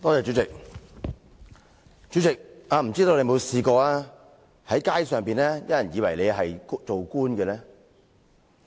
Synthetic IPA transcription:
t̪ɔː˥t͡sɛː˧t͡ʃy˨˥t͡sɪ˨k̚ | t͡ʃy˨˥t͡sɪ˨k̚aː˨˧m̩˨˩t͡siː˥t̪o˧le˨˧mo˨˧wsiː˨˧kɔː˧aː˥ | hɐ˨˥jkaː˥jsœː˨ŋpiː˨˩nlɛː˥jɐ˥jɐ˨˩njiː˨˧wɐ˨˩jle˨˧jɦɐ˨jt͡so˨wkuː˥nɡɛː˧lɛː˥

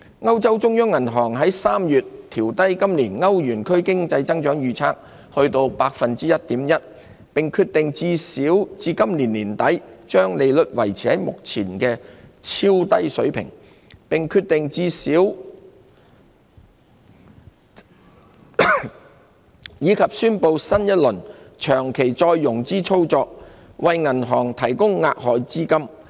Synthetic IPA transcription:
ŋɐ˥wt͡sɐ˥wt͡sʊ˥ŋjœː˥ŋːɐ˨˩nɦɔː˨˩ŋɦɐ˨˥jsaː˥mjyː˨˩t̪ʰiː˨˩wt̪ɐ˥jkɐ˥mliː˨˩nŋɐ˥wjyː˨˩nkʰɵ˥ɥkɪ˥ŋt͡sɐ˧jt͡sɐ˥ŋt͡ʃœː˨˥ŋjyː˧t͡sʰa̰ː˥k̚ | hɵ˧ɥt̪o˧wpaː˧k̚fɐ˨nt͡siː˥jɐ˥t̚t̪iː˨˥mjɐ˥t̚ | pɪ˨ŋkʰyː˧t̪̚ɪ˨ŋt͡siː˧siː˨˥wt͡siː˨˧kɐ˥mliː˨˩nliː˨˩nt̪ɐ˨˥jt͡ʃœː˥ŋle˨˧jlɵ˨t̚wɐ̰˨˩jt͡sʰiː˨˩hɐ˨˥jmʊ̰˨k̚t͡sʰiː˨˩nkɛː˧t͡sʰiː˥wt̪ɐ˥jsɵ˨˥ɥpʰɪ̰˨˩ŋ | pɪ˨ŋkʰyː˧t̪̚ɪ˨ŋt͡siː˧siː˨˥w | jiː˨˧kʰɐ˨p̚syː˥npo˧wsɐ˥njɐ˥t̚lɵ˨˩nt͡ʃʰœː˨˩ŋkʰe˨˩jt͡sɔː˧jːʊ˨˩ŋt͡siː˥t͡sʰo˥wt͡sɔː˧k̚wɐ˨jŋɐ˨˩nɦɔː˨˩ŋt̪ʰɐ˨˩jkʊ˥ŋːa̰ː˧k̚hɔː˨˧jt͡siː˥kɐ˥m

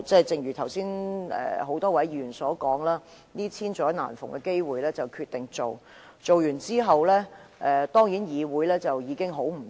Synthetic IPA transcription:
t͡sɛ˥˩jt͡sɪ˨ŋjyː˨˩t̪ʰɐ˨˩wsiː˥nɛ̰ː˨ho˨˥wt̪ɔː˥wɐ˨˥jjyː˨˩nsɔː˨˥kɔː˨˥ŋlaː˥ | niː˥t͡sʰiː˥nt͡ʃɔː˨˥na̰ː˨˩nfʊ˨˩ŋkɛ˧ke˥jwuː˨˩jlɛː˥t͡sɐ˨wkʰyː˧t̪ɪ˨ŋt͡so˨w | t͡so˨wjyː˨˩nt͡siː˥ɦɐ˨wlɛː˥ʔɛː˨˧t̪ɔː˥ŋjiː˨˥njiː˨˧wuː˨˥jlɛː˥t͡sɐ˨wjiː˨˧kɪ˥ŋɦo˨˥wm̩˨˩

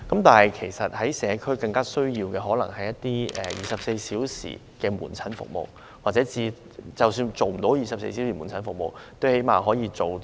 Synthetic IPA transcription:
kɐ˨˥mt̪aː˨nhɐ˨jkʰe˨˩jsɐ˨t̚hɐ˨˥jsɛː˨˧˥kʰɵ˥ɥkɐ˧ŋkaː˥sɵ˥ɥjiː˧wkɛː˧ɦɔː˨˥lɐ˨˩ŋhɐ˨jɐ˥t̪ːiː˥ɛ˨˧˩jiː˨˩sɐ˨p̚se˧jsiː˨˥wsḭː˨˩ | kɛː˧mṵː˨˩nt͡sʰɐ˨˥nfʊ̰˨k̚mo̰˨w | waː˨t̚t͡sɛː˨˥t͡siː˧ | t͡sɐ˨wsyː˧nt͡so˨wm̩˨˩t̪o˨˥wjiː˨sɐ˨p̚sḛ˧js̬i˨˥wsiː˨˩u˨˩nt͡sʰɐ˨˥nfʊ˨k̚mo̰˨wt̪o˥whe˨˥jmaː˨ɦɔː˨˥jiː˨˧t͡so˨w

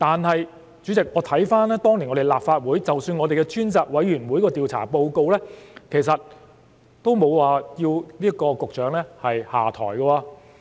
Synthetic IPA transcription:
t̪aː˨nɦɐ˨j | t͡ʃyː˨˥t͡sɪ˨k̚ŋɔː˨˧t̪ʰɐ˨˥jfaː˥nlɛː˥t̪ɔː˥ŋli˨˩ŋɔ˨˧˥e˨˩jlaː˨p̚faː˧t̚wuː˨˥jt͡sɐ˨wsyː˧nŋɔː˨˧e˨jkɛ˧t͡ʃyː˥nt͡saː˨t̚wɐ˨˥jɥyː˨˩nwu˨˥jkɔː˧t̪iː˨wt͡sʰa̰ː˨˩po˧wko˧wlɛː˥kʰe˨˩jsɐ˨t̚ | t̪o˥wmo˨˧wwaː˨jiː˧wliː˥ɐ˥kɔː˧kʊ˨k̚t͡ʃœː˨˧˥ŋlɛː˥hɐ˨jha̰ː˨˩t̪ʰɔ̰ː˨˩jkɐ˧waː˧

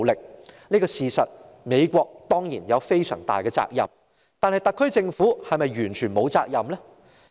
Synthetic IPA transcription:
lɪ˨k̚niː˥kɔː˧siː˨sɐ˨t̚ | me˨˧jkʷɔː˧k̚t̪ɔː˥ŋjḭː˨˩njɐ˨˧wfe˥jsœ̰ː˨˩ŋt̪a̰ː˨jkɛː˧t͡sa̰ː˧k̚jɐ̰˨m | t̪aː˨˧nhɐ˨jt̪ɐ˨kʰːɵ˥ɥt͡sɪ˧ŋfuː˨˥hɐ˨jmɐ˨jɥyː˨˩nt͡ʃʰyː˨˩nmo˨˧wt͡sa̰ː˧k̚jɐ˨mlɛ˥

